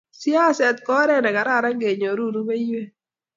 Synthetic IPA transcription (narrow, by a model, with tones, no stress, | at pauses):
sja˦sɛ˨t̪̚kɔ˦ɾɛ˦nɛ˨ka˨ɾa˦˨ɾa˦ŋɡe˨ɲo˨ɾu˦˨ɾu˦me˦jwe˦